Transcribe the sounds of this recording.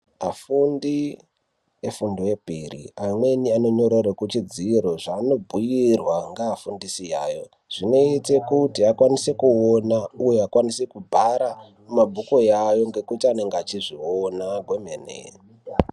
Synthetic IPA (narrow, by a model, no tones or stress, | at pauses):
afundi | efundoepirḭamwe̞niano̞ɲo̞ɾeɾekut͡ʃid͡ziɾo̞ʐano̞bʱujirwaŋɡaːfundisija̰ːjo̞ | ʐ̥ino̞ite̞kutiakwanise̞kuonaujeakwanisekubʱaɾa | mumabʱuko̞jajo̞ŋɡe̞kutiane̞ŋɡat͡ʃiʐionaɡʱwemenḛ